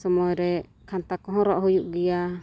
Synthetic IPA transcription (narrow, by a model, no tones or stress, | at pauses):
sɔmɔɾɛ | kʰant̪akɔɦɔɾɔʔɦujuʔɡija